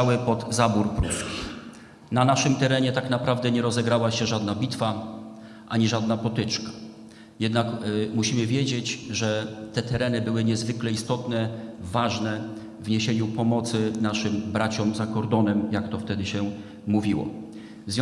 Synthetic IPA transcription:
awɘpɔd̪zabuɾpɾuskʲi̥ | nanaʂɘmt̪ɛɾɛɲɛt̪aknapɾavd̪ɛɲɛɾɔzɛɡɾawaɕɛʐad̪nabʲit̪fa | ʔaɲiʐad̪napɔt̪ɘt͡ʂkḁ | jɛd̪nakmuɕimɘvʲjed͡ʑed͡ʑʐɛt̪ɛt̪ɛɾɛnɘbɘwɘɲɛzvɘklɛist̪ɔt̪nɛvːaʐnɛ | vɲeɕeɲupɔmɔt̪sɘnaʂɘmbɾat͡ɕɔmzakɔɾd̪ɔnɛmjakt̪ɔft̪ɛd̪ɘɕɛ | muvʲiwɔ̰ | zvʲjɔ̃

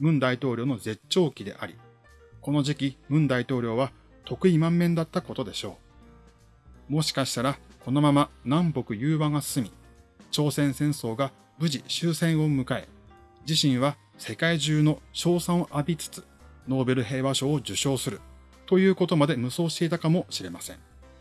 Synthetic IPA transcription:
mɯ̟̃nd̪ait̪o̞ːɾʲo̞ːno̞ze̞t͡ɕːo̞ːkʲid̪e̞̰ʔa̰ɾʲḭ | ko̞no̞ʑikʲimɯ̟̃nd̪ait̪o̞ːɾʲo̞ːβa | t̪o̞kɯ̟imãmːẽ̞nd̪at̪ːako̞t̪o̞d̪e̞ɕo̞ː | mo̞ɕi̥kaɕi̥t̪aɾako̞no̞mamanãmbo̞kɯ̟jɯ̟ːβaŋasɨ̥sɨmʲit͡ɕo̞ːsẽ̞ɰ̃sẽ̞ɰ̃so̞ːɡa | bɯ̟ʑiɕɨːsẽ̞ɰ̃o̞mɯ̟kae̞̰ | d͡ʑiɕĩɰ̃βa | se̞kaiʑɨːno̞ɕo̞ːsãɰ̃oʔabʲit͡sɨ̥t͡sɨ̥ | no̞ːbe̞ɾɯ̟ɦe̞ːβaɕo̞ːd͡ʑɨɕo̞ːsɨɾɯ̟ | t̪o̞jɯ̟ːko̞t̪o̞mad̪e̞mɯ̟so̞ːɕi̥t̪e̞it̪akamo̞ɕiɾe̞masẽɴ

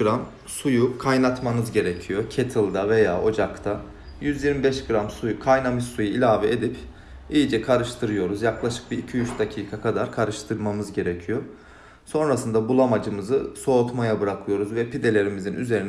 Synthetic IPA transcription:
ɾam | sujukʰajnat̪mamɯzɟe̞ɾecʰijo̞cʰet̪ʰɯlˠd̪ave̞jaːʔo̞d͡ʒakt̪ʰa | jyzjiɾmibɛʃɡɯɾamsujukʰajnamiʃsujuilʲaːvied̪ip | ijid͡ʒɛkʰaɾɯʃt̪ʰɯɾɯjo̞ɾuzjaklˠaʃɯ̥k̚biicʰijyʃd̪acʰiːkʰakʰad̪aɾkʰaɾɯʃt̪ʰɯɾmamɯzɟe̞ɾecʰijo̞ | so̞nɾasɯnd̪abulˠamad͡ʒɯmɯzɯso̞ːt̪majabɯɾakʰɯjo̞ɾuzvɛpid̪e̞lʲe̞ɾimizinʔy̰ze̞ɾin

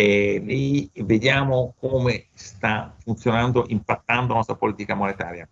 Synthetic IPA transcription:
ɛlived̪jaːmokoːmest̪afunt̪sjonand̪oʔimpat̪ːand̪oanɔst̪ɾapoliːt̪ikamonet̪aːɾja

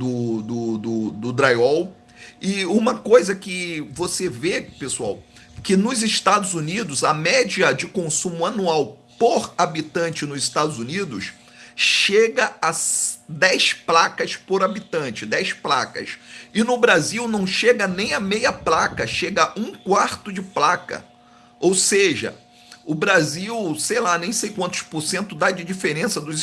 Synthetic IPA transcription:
d̪ʊd̪ʊd̪ʊd̪ʊd̪ɾajɔw | ɪũmɐkojzɐkɪvosevepesua̰w | kɪnʊzɪʃt̪ad̪ʊzunid̪ʊzɐmɛd͡ʒiɐd͡ʒɪkõsũmʊanuaw | poɾabit̪ɐ̃nt͡ʃɪnʊzɪʃt̪ad̪ʊzunid̪ʊ̰s | ʃeɡɐasd̪ɛjsplakɐspoɾabit̪ɐ̃t͡ʃɪd̪ɛjspla̰kɐ̰sɪnʊbɾaziwnɐ̃w̃ʃeɡɐnẽj̃ɐmejɐplakɐʃeɡɐũkwaɾt̪ʊd͡ʒɪplakɐ̰ | owseʒɐ̰ | ʊbɾaziwsejlanẽj̃sejkwɐ̃nt̪ʊʃpoɾsẽnt̪ʊd̪ad͡ʒɪd͡ʒifeɾẽsɐd̪ʊz

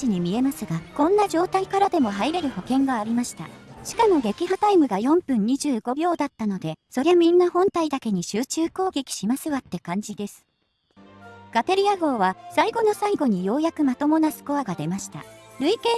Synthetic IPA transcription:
iɲ̟imʲie̞masɨɡakõ̞nːaʑo̞ːt̪aikaɾad̪e̞mo̞ɦaiɾe̞ɾɯ̟ho̞kẽ̞ŋɡaːɾʲimaɕi̥t̪a̰ɕi̥kamo̞ɡe̞kʲiɦat̪aimɯ̟ɡajõ̞mpɯ̟̃ɲ̟ɲiʑɨːɡo̞bʲo̞ːd̪at̪ːano̞d̪e̞so̞ɾe̞βamʲĩnːahõ̞nt̪aid̪ake̞ɲ̟iɕɨːt͡ɕɨːko̞ːɡe̞kʲi̥ɕimasɨβat̪ːe̞kãɲ̟d͡ʑid̪e̞sɨ̥ | ɡ̥at̪e̞ɾʲijaɡo̞ːβasaiɡo̞no̞saiɡo̞ɲ̟ijo̞ːjakɯ̟mat̪o̞mo̞nasɨ̥ko̞aɡad̪e̞maɕi̥t̪a̰ɾɯ̟ike

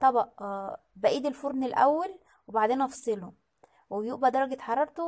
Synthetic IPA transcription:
t̪ˤɑbʔ | bæʔiːd̪elfoɾnelʔæ̰wːæl | webaʕd̪eːnʔɑfɑ̥sˤelo | wejuʔbæd̪ɑɾˤɑɡet̪ħɑɾˤɑɾˤt̪o

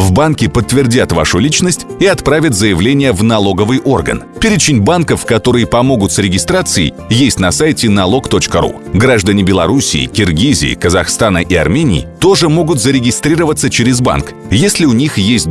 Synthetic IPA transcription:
vbankʲɪpət̪ːvʲɪrdʲat̪va̰ʂʊlʲit͡ɕnəsʲtʲiɐt̪pɾavʲɪt̪zəjɪvlʲenʲɪjəvnɐlˠo̞ɡəvɨjʔo̞rɡə̰npʲeɾʲɪt͡ɕɪnʲbankəfkɐt̪o̞ɾɨjəpɐmo̞ɡʊt̪sɾʲɪɡʲɪst̪ɾat̪sɨɪ̰ | jesʲtʲnɐsajɪtʲɪnɐlˠo̞kt̪o̞t͡ɕkəɾṵ | ɡɾaʐd̪ənʲɪbʲɪlˠɐ̰ɾusʲɪ̰ːkʲɪrɡʲizʲɪ̰ːkəzɐxst̪anəʔiɐ̰rmʲenʲɪ̰ɪ̰t̪o̞ʐɨmo̞ɡʊt̪zəɾʲɪɡʲɪst̪ɾʲirəvət̪sət͡ɕɪɾʲɪzba̰nk | jesʲlʲɪʊnʲixjesʲt̚ʲ

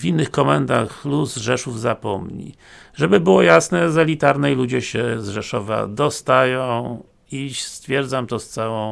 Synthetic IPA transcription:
vʲinːɘxkɔmɛnd̪a̰xluzʐɛʂuvzapɔmɲḭ | ʐɛbɘbɘwɔjasnɛzɛlʲit̪aɾnɛjlud͡ʑɛɕɛzʐɛʂɔva̰d̪ɔst̪ajɔ̃w̃ | ist̪fʲjɛɾd̪zamt̪ɔst̪sawɔ̃w̃

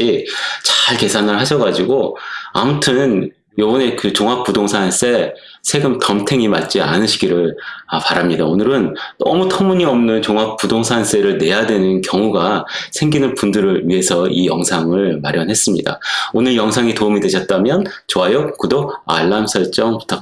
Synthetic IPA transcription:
it͡ɕḁɭke̞sʰanɯɭɦaɕʰʌɡad͡ʑiɡoamutʰɯn | jobʌne̞kɯt͡ɕoŋɦak̚p͈udoŋsʰans͈e̞ | sʰe̞ɡɯmtʌmtʰe̞ŋima̰t̚t͡ɕ͈ia̰nɯɕʰiɡiɾɯɭʌpaɾamɲidaonɯɾɯndʌmutʰʌmuɲiʌmnɯnt͡ɕoŋɦak̚p͈udoŋsʰans͈e̞ɾɯɭne̞jadwe̞nɯnkjʌŋuɡasʰe̞ŋɡinɯnpundɯɾɯɭɥiɦe̞sʰʌijʌŋsʰaŋɯɭmaɾjʌnɦe̞s͈ɯmɲida̰onɯɭjʌŋsʰaŋitoumidwe̞ɕʰʌt̚t͈amjʌnt͡ɕoajokɯdoa̰ɭːamsʰʌɭt͡ɕ͈ʌŋpu̥tʰa

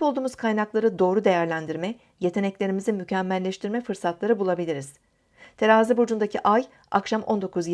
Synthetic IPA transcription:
olˠd̪uːmuzkʰajnaklˠaɾɯd̪o̞ːɾud̪e̞jæɾlʲænd̪iɾmɛ | je̞t̪ʰe̞nɛclʲe̞ɾimizimycʰæmːælʲːɛʃt̪ʰiɾmɛfɯɾsat̪lˠaɾɯbulˠabilʲiɾiz̥ | t̪ʰeɾaːzibod͡ʒund̪acʰiʔaj | a̰kʃamʔo̞nd̪o̞kʰuzj

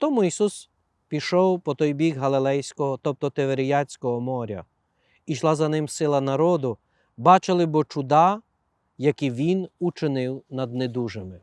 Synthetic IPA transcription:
t̪ɔmuisus | pʲiʃɔwpɔt̪ɔjbʲixɦɐlˠɪlˠɛjsʲkɔɦɔt̪ɔp̚t̪ɔt̪eʋeɾʲɪjɑt͡sʲkɔɦɔmɔɾʲɐ̰ | iʃlˠɑzɐnɪmsɪlˠɐnɐɾɔd̪ʊ | bɑt͡ʃɪlˠɪbɔt͡ʃʊd̪ɑ | jɐkiʋʲinut͡ʃɪnɪwnɐd̪̚ned̪uʒemɪ

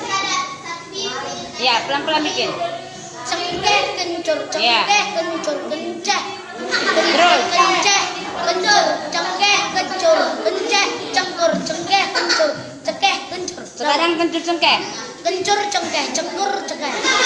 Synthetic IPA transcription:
japəlampəlamikɪn | t͡ʃəŋkɛhkəɲt͡ʃʊrt͡ʃəjakɛhkəɲt͡ʃʊrkənt͡ʃɛh | kəd̪əɾkəɲt͡ʃɛhkəɲt͡ʃʊrt͡ʃəŋkɛhkəɲt͡ʃʊrkəɲt͡ʃɛht͡ʃəŋkʊrt͡ʃəŋkɛhkəɲt͡ʃʊr | t͡ʃəkɛhkəɲt͡ʃʊrt͡ʃəkaaŋkəɲt͡ʃʊrt͡ʃəŋkɛh | kəɲt͡ʃʊrt͡ʃəŋkɛht͡ʃəŋkʊrt͡ʃəkɛh

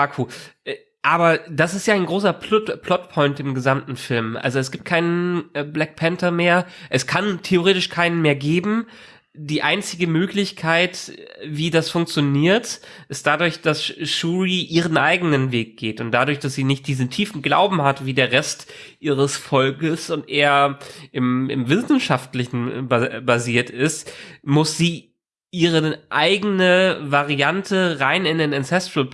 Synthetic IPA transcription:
ʔaːkʰuː | ʔaːbɐd̥asɪstjaːaɪnɡʁoːsɐppʰlɔtpʰɔʏntɪmɡəzamtn̩fɪlmʔa̰lzoɛs̬ɡ̥iːp̚t̚kʰaɪnənblɛk̚pʰɛntɐmeːɐʔɛskʰantʰeoʁeːtɪʃkʰaɪnənmeːɐɡeːbm̩ | diːʔaɪnt͡sɪɡəmøːklɪçkʰaɪtviːdasfʊŋk̚t͡sjoniːɐt | ʔɪst̚d̥adʊɐçd̥asʃuːʁiʔiːʁ̞ənʔaɪɡənənveːk̚ɡ̥eːtʊnt̚d̥adʊɐçd̥asz̥iːnɪçt̚d̥iːzn̩tʰiːfn̩ɡla̰ʊbm̩hatv̥iːdeːɐʁɛst | ʔiːʁ̞əsfɔlkəsʊntʔeːɐʔɪmɪ̰mvɪsn̩ʃaftlɪçn̩babaziːɐtɪstmʊsz̥iː | ʔiːʁ̞əʔaɪɡənəvaʁiantʰəʁaɪnɪndeːnɪnsɛstʁəl

